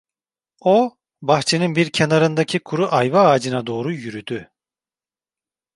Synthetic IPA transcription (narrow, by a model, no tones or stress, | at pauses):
o | baxt͡ʃʰeninbiɾcʰenaɾɯnd̪acʰikʰuɾuʔajvaːd͡ʒɯnad̪o̞ːɾujyɾyd̪y